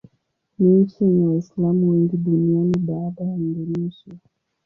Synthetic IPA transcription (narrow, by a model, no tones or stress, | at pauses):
niɲ̩t͡ʃiɛɲɛwaislamuwɛŋɡiɗunianiɓaːɗaham̩duliʃɛ